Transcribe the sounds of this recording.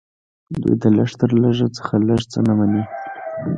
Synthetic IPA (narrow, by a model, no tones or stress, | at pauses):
d̪ṵjd̪ələʂt̪əɾləʐat͡sə̥xaləʐt͡sənamani